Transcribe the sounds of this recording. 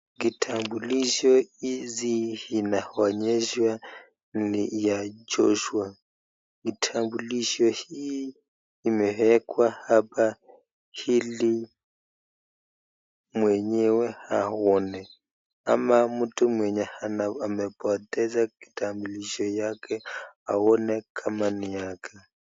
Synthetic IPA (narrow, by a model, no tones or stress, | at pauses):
ɡitʰambuliʃɔizihinahɔɲɛʃwa | n̩lijad͡ʒɔʃua | ɡitʰambuliʃɔhiː | mɛɦɛkʼwahapʼa | hili | mwɛɲɛwɛha̰hɔnɛ | a̰mamutʼumwɛɲɛhanaamɛpʼɔt̪ʼɛd͡zakʼi̥tʰʼambuliʃɔjakʰʼɛa̰ɔnɛkʼamanijaːkʼa